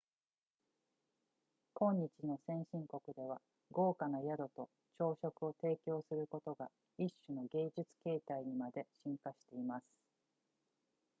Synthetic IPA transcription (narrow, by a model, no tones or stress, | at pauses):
kõ̞ɲ̟ːit͡ɕino̞sẽ̞ɰ̃ɕĩŋko̞kɯ̟d̪e̞β̞a̰ | ɡo̞ːkanajad̪o̞t̪o̞ | t͡ɕo̞ːɕo̞kɯ̟o̞t̪e̞ːkʲo̞ːsɨɾɯ̟ko̞t̪o̞ɡa | iɕːɨno̞ɡe̞ːd͡ʑɨt͡sɨ̥ke̞ːt̪aiɲ̟imad̪e̞ɕĩŋkaɕi̥t̪e̞imasɨ̥